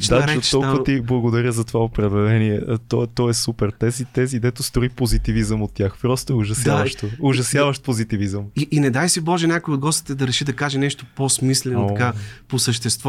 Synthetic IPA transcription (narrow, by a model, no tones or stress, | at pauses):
d̪aɾɛɔlˠkvət̪iblˠɐɡod̪ɐɾʲjəzɐt̪ovaopɾɛd̪ɛlɛniɛt̪ɔt̪ɔɛsupɛɾt̪ɛzit̪ɛzid̪ɛt̪ʊst̪ɾoipozit̪ivizəmot̪ːjaxpɾɔst̪oɛʊʒɐsd̪avəʃt̪oʊʒɐsjavəʃt̪̚pozit̪ivizəmiʔːnɛd̪ajsibɔʒɛnʲakojod̪ɡɔst̪i̥t̪ɛd̪ɐɾɛʃid̪ɐkaʒɛnɛʃt̪oposmislɛnkaposəʃt̪ɛst̪vɔ